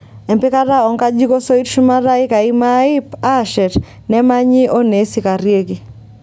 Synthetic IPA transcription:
ɛ˨mpɪ˦ka˦ɾa˦ɔ˨ŋka˦d͡ʒi˦ko˦so˦i˦tʃu˦ma˦ɾa˦ɪ˦ka˨i˦ma˦i˦pa˦ʃɛ˨t | nɛ˦ma˦ɲɪ˦ʔo˦ne˨˦si˨ka˨ɾje˦ɡi˨

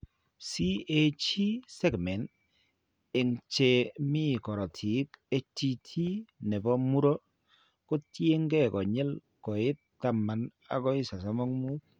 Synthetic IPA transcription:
si˦e˦t͡ʃi˦sɛ˦ɡmɛ˨n | ɪ˨ŋt͡ʃe˨mi˦˨kɔ˨ɾɔ˨tʰi˨˦ke˦ti˦tʰi˦nɛ˨bɔ˦mu˦ɾɔ˦ | ko˦tje˦ŋɡɛ˦kɔ˨ɲɛ˦l | kɔ˨ɪ˦ttːa˨mːa˨n | a̰˨kɔ˦ɪ˦sa˨sɔ˦mɔ˦ŋmu˦

